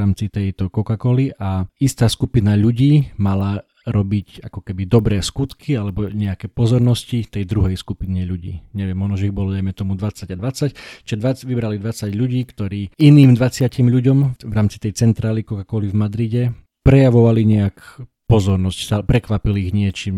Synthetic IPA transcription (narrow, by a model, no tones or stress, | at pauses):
aːmt͡sit̪ɛjt̪ɔkɔkakɔliʔaist̪aːskupinaʎuɟiːmala | ɾɔbiɟa̰kɔkɛbid̪ɔbɾɛːskut̪kʰialɛbɔɲɛakɛːpɔzɔɾnɔscit̪ɛjd̪ɾuɦɛjskupiɲɛʎuɟḭːɲɛʋɪɛmːɔʒnɔʒɛiɣbɔlɔd̪ajmɛt̪ɔmud̪ʋat͡saɟad̪ʋat͡sact͡ʃiɛd̪ʋat͡sʋibɾalid̪ʋat͡saɟʎuɟiːkt̪ɔɾiːiniːmd̪ʋat͡sɪacimʎuɟɔmvɾaːmt͡sit̪ɛjt͡sɛnt̪ɾaːlikɔkakɔlivmad̪ɾiɟɛ | pɾɛjaʋɔʋaliɲɛak | pɔzɔɾnɔscst̪alpɾɛkʋapiliiɣɲɪɛt͡ʃiːm